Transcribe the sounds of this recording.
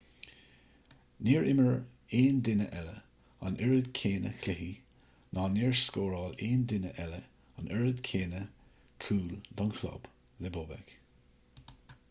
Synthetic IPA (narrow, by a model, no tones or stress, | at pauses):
niːɹʔɪməɹeːnd̪ɪnə̰ʔɛlə̰ | a̰nʔɛɹəd̪kʰeːnə̰kʰlɪhi | nɑːniːɹskoːɹɑːleːnd̪ɪnəʔɛlə | anʔɛɹəd̪kʰeːnə | kʰuːld̪ɔnxʰlɔ̰b̥ | lɛboːbɛ̰k